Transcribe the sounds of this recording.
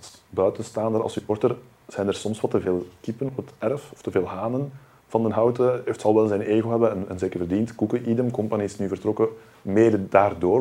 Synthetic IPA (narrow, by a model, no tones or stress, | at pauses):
bœɥtənstaːndəɾɑ̰lˠsyɔrtər | z̥ɛjnərsɔmswɑtəveːlˠkipənɔpətɛrfɔftəveːlˠɦaːnən | v̥ɑndənɦɑwtəeftsɑlˠʋɛlˠzɛjneːɣoɦɛbənənə̰nzeːkərvərdintkukəʔidəmkɔmpaniɪsnyvərtrɔkə | meːdədaːrdoːr